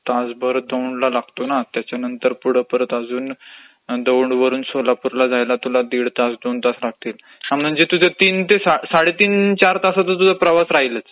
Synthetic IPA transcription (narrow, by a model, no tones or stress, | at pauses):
t̪asbəɾd̪əwɳɖlalaɡt̪onat̪jat͡ɕjanənt̪əɾpuɽ̤əpəɾət̪ad͡zuːn | d̪əwɳɖʋəɾuːnsolapuɾlad͡zajlat̪ulad̪iːɽt̪asd̪ont̪aslaɡ̚t̪iːl | amnənd͡ʑet̪ud͡zʱet̪iːnt̪esasaɽet̪iːnt͡ɕaɾt̪asat̪ət̪̬ud͡zapɾəʋasɾaɦilət͡s